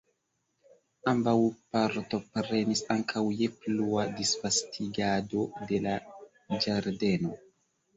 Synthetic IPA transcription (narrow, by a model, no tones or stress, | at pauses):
ambawpaɾto̞pɾe̞nisaŋkʰawjepluadisfastʰiɡado̞de̞la | d͡ʒaɾde̞no̞